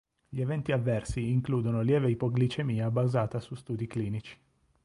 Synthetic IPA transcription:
ʎievɛnt̪iavːɛrsiːŋkluːd̪onoljɛːveipoɡlit͡ʃemiːabazaːt̪asust̪uːd̪ikliːnit͡ʃi̥

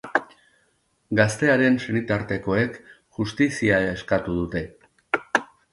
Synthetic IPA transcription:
ɡast̪e̞aɾe̞nsenit̪aɾt̪e̞ko̞e̞k | ʝust̪isiaeskat̪uð̞ut̪e̞

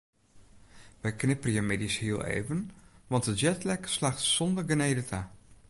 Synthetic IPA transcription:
ʋɛjknɪpərjəmɪdishiəlˠḛːvənʋɑntəjɛtlɛkslaxtsɔndərɡəneːdətʰa

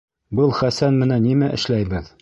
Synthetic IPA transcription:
bɤlˠχæsænmɘ̆nænːimæʔɘ̆ʃlæjbɘð

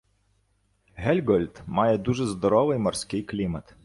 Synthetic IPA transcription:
ɦɛlʲɡɔlʲt̪majɛd̪uʐɛzd̪ɔɾɔʋɨjmɔrsʲkʲɪjklʲimɐt̪

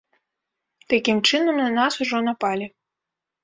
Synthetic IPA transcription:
t̪akʲimt͡ʂɨnɐmɐnasuʐɔnapalʲi

